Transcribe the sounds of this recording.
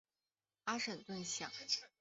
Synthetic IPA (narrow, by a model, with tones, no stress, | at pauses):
a˥ʂə˨˩nt̪wə˥˧nɕjɑ˥˩˦ŋ